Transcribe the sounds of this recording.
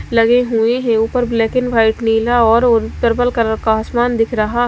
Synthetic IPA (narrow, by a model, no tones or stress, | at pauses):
lɐɡeɦueɦɛ̃uːpəɾblɛːkɪnʋaːɪʈniːlaɔːɾoɾt̪əɾbəlkəɾəɾkaɦəsmaːnd̪ɪkʰɾɐɦa